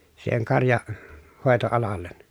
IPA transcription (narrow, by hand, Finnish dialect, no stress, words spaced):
siːheŋ kɑrjɑ hoˑetoɑlɑlːen